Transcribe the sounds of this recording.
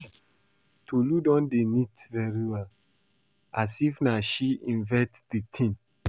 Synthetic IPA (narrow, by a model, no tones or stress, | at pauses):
tʰuludɔ̃ndenitvɛɾiwɛl | asifnaʃiĩnvɛtditʰĩn